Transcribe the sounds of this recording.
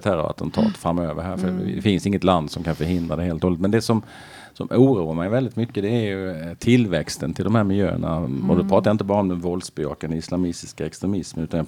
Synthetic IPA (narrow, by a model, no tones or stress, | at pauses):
t̪hæːɾɔ̰a̰t̪ʰɛnt̪ʰɑ̰ːt̪fɾamːøːvə̰ɾɦæːɾfœɛfɪnsɪŋːət̪land̪sɔmkʰanfœɾɦɪnd̪ɾad̪ɛheːlt̪oːlɪt̪mɛnd̪ɛsɔm | sɔmʔuːɾuːəɾmaɪjvɛld̪ɪt̪mʏkːəd̪ɛæɾjɵt̪ʰɪlvɛkst̪ənt̪ʰɪld̪ɔmhæːɾmɪljø̰ːə̰ɳa̰ɔ̰d̪ɛpʰɾɑːt̪ajaɪnt̪əbɑːɾaɔmd̪ɛnvɔlsbɪɑ̰ːkand̪əɪslamɪst̪ɪskaɛkst̪ɾɛmɪsmənʉ̟ːt̪anja